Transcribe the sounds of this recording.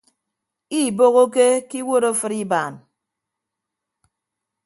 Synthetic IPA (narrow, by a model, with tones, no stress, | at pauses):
i˦˨bo˦ɣo˦ke˦ki˦wo˦ɾo˦fɨ˦ɾi˦baː˨n